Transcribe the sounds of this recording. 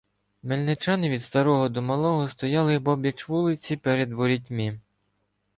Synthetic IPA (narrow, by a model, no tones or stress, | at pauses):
melʲnɪt͡ʃɑnɪʋʲid̪st̪ɐɾɔɦɔd̪ɔmɐlˠɔɦɔst̪ɔjɑlˠɪbɔbʲjɐt͡ʃʋulˠɪt͡sʲipɛɾed̪ʋɔɾʲitʲmʲi